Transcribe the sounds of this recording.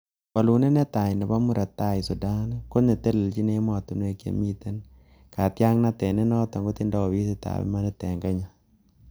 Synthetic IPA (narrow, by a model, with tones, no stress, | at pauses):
wa˨lu˨ne˦nɛ˦t̪a˨nɛ˨ba˦mʊ˦ɾa˨t̪a˦˨ɪ˨sɔ˨da˦na˦ko˦ne˨t̪e˦le˨ld͡ʒi˦ne˦mɔ˨t̪u˨nwe˨kjḛ˨mi˦t̪e˦n | ka˨t̪ja˦ŋna˦t̪ɛ˨nɛ˦nɔ˦t̪ɔ˨ŋɡo˦t̪ɪ˦nda˦ɔ˨wi˦si˦t̪a̰˨wɛ̰˦ma˦nɛ˦t̪ɛ˨ŋɡɛ˦ɲa˦